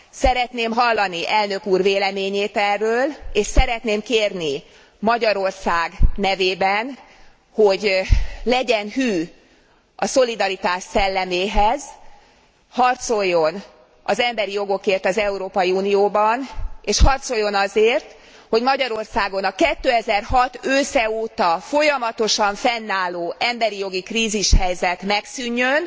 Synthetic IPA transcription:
sɛɾɛt̪neːmɦɒlːɒniʔɛlnø̞kuːrveːlɛmeːɲeːt̪ɛrːøːleːʃsɛɾɛt̪neːmkeːrni | mɒɟɒɾo̞rsaːɡnɛveːbɛn | ho̞ɟlɛɟɛnɦyː | ɒso̞lid̪ɒɾit̪aːʃsɛlːɛmeːɦɛz | hɒrt̪so̞jːo̞n | ɒzɛmbɛɾijo̞ɡo̞keːrt̪ɒzɛuɾoːpɒjiuːnijoːbɒneːʃhɒrt̪so̞jːo̞nɒzeːrt̪ | ho̞ɟmɒɟɒɾo̞rsaːɡo̞nɒkɛt̪ːøːɛzɛrhɒt̪øːsɛoːt̪ɒfo̞jɒmɒt̪o̞ʃɒɱfɛnːaːlːoːʔɛmbɛɾijo̞ɡikriːziʃhɛjzɛt̪mɛksyɲːøn

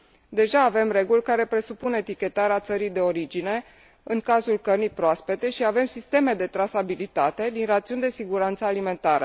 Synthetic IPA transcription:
d̪e̞ʒaːve̞mre̞ɡulʲkaɾe̞pɾe̞supune̞t̪ikʲe̞t̪aɾeat̪səɾijd̪e̞o̞ɾid͡ʒine̞ | ɨŋkazulkərnijpɾoaspe̞t̪e̞ʃiave̞msist̪e̞me̞d̪e̞t̪ɾasabilit̪at̪e̞d̪inrat̪siund̪e̞siɡuɾant̪səalime̞nt̪aɾə̰

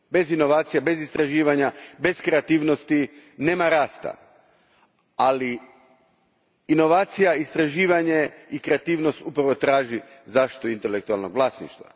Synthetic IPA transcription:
be̞zinoʋaːt̪sijabe̞zist̪ɾaʒiːʋaɲabe̞skɾeat̪iːʋnost̪ine̞ːmaɾaːst̪a̰ | ali | no̞ʋaːt̪sijaist̪ɾaʒiːʋaɲe̞ikɾe̞at̪iːʋno̞st̪upɾaʋo̞t̪ɾaːʒizaʃt̪oint̪elek̚t̪ua̰lˠnoɡʋlˠaːsnḭʃt̪ʋa̰

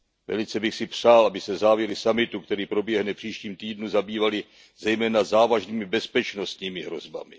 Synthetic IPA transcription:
vɛ̰lɪt͡sɛbɪxsɪpr̝̥aːlʔabɪsɛzaːvjɛɾɪsamɪt̪ukt̪ɛɾiːpɾo̞bjɛɦnɛfpr̝̥iːʃciːmt̪iːdnuzabiːvalɪ | zɛjmɛːnazaːvaʒniːmɪbɛspɛt͡ʃno̞st̪ɲiːmɪɦɾo̞̰zba̰mɪ

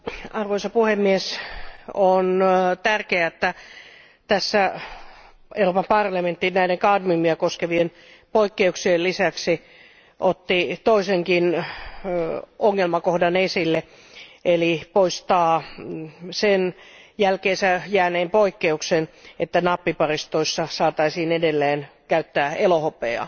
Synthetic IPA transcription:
ɑrʋoisɑpuhemːies | ont̪ærkeæet̪ːæ | t̪æsːæ | ʔeuroːpɑmpɑrlɑment̪ːinnæiɾeŋkɑdmymːiækoskeʋien | poikːeuksiellisæksi | ʔot̪ːit̪oiseŋkin | oŋːelmɑkohdɑnesilːe | elipoist̪ɑː | senjælkeːsæjæːneːmpoikːeuksenet̪ːænɑpːipɑrist̪oisːɑsɑːt̪ɑisiːnedelːeːnkæyt̪ːæːelohopeɑ̰

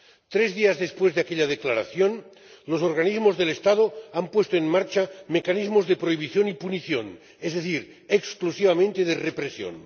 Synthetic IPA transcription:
t̪ɾezðiazðespwezðeakeʎað̞eklaɾaθjon | losoɾɣ̞anizmozðelest̪að̞oampwe̞st̪oenmaɾt͡ʃamekanizmozðepɾoiβ̞iθjonipuniθjo̰n | ezðeθiɾ | eksklusiβ̞amẽnt̪eðerepɾesjo̰n

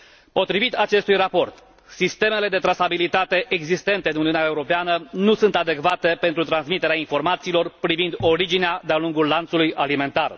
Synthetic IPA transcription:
po̞t̪ɾivit̪at͡ʃe̞st̪ujrapo̞rt̪ | sist̪e̞me̞le̞d̪e̞t̪ɾasabilit̪at̪e̞ʔeɡzist̪e̞nt̪e̞ɨnuniuneaeuɾo̞peanənusunt̪ad̪e̞kvat̪e̞pe̞nt̪ɾut̪ɾansmit̪e̞ɾeainfo̞rmat̪siːlo̞rpɾivind̪o̞ɾid͡ʒinead̪ealuŋɡullant̪sulujalime̞nt̪ar

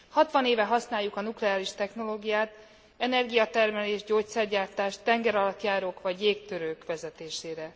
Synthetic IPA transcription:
hɒt̪ʋɒneːvɛɦɒsnaːjːukɒnuklɛaːliʃt̪ɛxno̞loːɡijaːt̪ | ɛnɛrɡijɒt̪ɛrmɛleːʒɟoːct̪sɛrɟaːrt̪aːʃt̪ɛŋɡɛɾɒlɒt̪jaːɾoːkʋɒɟjeːkt̪øɾøːkʋɛzɛt̪eːʃeːɾɛ

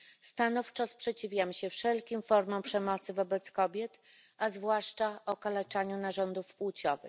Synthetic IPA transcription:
st̪anɔft͡ʂɔspʂɛt͡ɕivʲjamɕɛfʂɛlkʲimfɔɾmɔ̃m̃pʂɛmɔt̪sɘvɔbɛt̪skɔbʲjɛt̪ | azvwaʂt͡ʂaʔɔkalɛt͡ʂaɲunaʐɔnd̪ufpuwt͡ɕɔ̰vɘ̰x

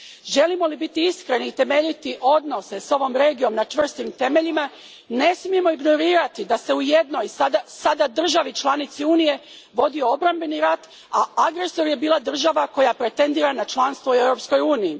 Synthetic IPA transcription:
ʒe̞limo̞libit̪iiskɾe̞niːt̪e̞me̞ʎit̪iʔo̞d̪no̞se̞so̞ʋo̞mɾe̞ːɡijo̞mnat͡ʃʋr̩st̪imt̪e̞meʎima | ne̞smije̞mo̞iɡno̞ɾiːɾat̪id̪ase̞ujed̪no̞jsad̪asad̪ad̪r̩ʒaʋit͡ʃlˠanit̪siuːnije̞ | ʋo̞d̪io̞o̞bɾambe̞niɾat̪ | aaɡɾe̞so̞ɾje̞biːlˠad̪r̩ʒaʋako̞japɾe̞t̪e̞nd̪iːɾanat͡ʃlanst̪ʋoe̞wɾo̞ːpsko̞juːnijː

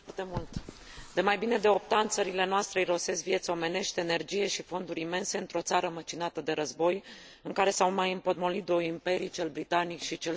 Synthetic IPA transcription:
rt̪e̞mult̪ | d̪̥e̞majbine̞d̪e̞o̞p̚t̪aɨnt̪səɾile̞noast̪ɾejɾo̞se̞svie̞t̪so̞me̞ne̞ʃt̪ene̞rd͡ʒije̞ʃifo̞nd̪uɾʲime̞nse̞ɨnt̪ɾo̞t̪saɾəmət͡ʃinat̪əd̪e̞ɾəzbo̞j | ɨŋkaɾe̞sawmajɨmpo̞t̪mo̞lit̪̚d̪o̞jimpe̞ɾit͡ʃe̞lbɾit̪anikʃit͡ʃe̞l

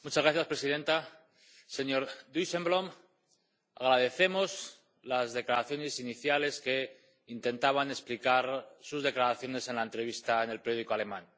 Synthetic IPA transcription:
mut͡ʃazɣɾaθjaspɾe̞siðe̞nt̪a | se̞ɲo̞ɾd̪use̞mbɾo̞m | a̰ɣ̞ɾaðe̞θe̞mo̞s | lazðe̞klaɾaθjo̞ne̞siniθjale̞ske̞ | int̪e̞nt̪aβane̞splikaɾsuzðe̞klaɾaθjo̞ne̞se̞nlae̞nt̪ɾe̞β̞ist̪aene̞lpejo̞ð̞iko̞ale̞mãn

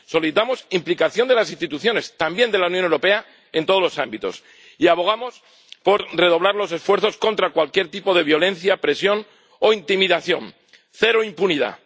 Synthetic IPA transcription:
so̞liθit̪amo̞simplikaθjo̞nd̪e̞lasĩnst̪it̪uθjo̞ne̞st̪ambje̞nd̪e̞launjonewɾo̞pe̞a | e̞nt̪o̞ð̞olo̞sambit̪o̞̰s | iaβo̞ɣ̞amo̞s | po̞ɾre̞ðo̞β̞laɾlo̞s̬e̞sfwe̞ɾθo̞sko̞nt̪ɾakwalkje̞ɾt̪ipo̞ð̞e̞βjo̞lẽ̞nθjapɾe̞sjo̞n | o̞int̪imiðaθjo̞̰n | θe̞ɾoimpuniða̰

